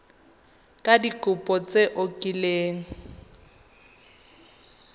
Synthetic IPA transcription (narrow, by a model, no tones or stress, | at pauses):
kʼadikʼʊpʼɔt͡seʔokʼileːŋ̩